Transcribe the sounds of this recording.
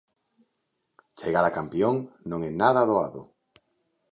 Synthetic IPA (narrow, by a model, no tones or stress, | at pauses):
t͡ʃeɣaɾakampjoŋnõŋenaðaðoaðo̰